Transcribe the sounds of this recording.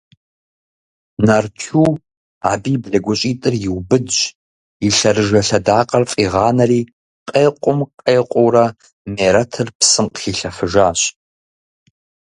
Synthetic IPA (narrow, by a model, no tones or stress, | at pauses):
nartʰuː | aːbiːbɮɐɡʷɔɕʼiːtʼɨrjɪwbɨdd͡ʒ | iɬɐrɨʒɐɬɐdaːqʼɐrfʼiːʁɑːnɐriː | qʼeːqʷʼʊmqʼeːqʷʼʊwrɐ | meːɾɐtʰɨrpsɨmqxiːɬɐfɨʒaːɕʼ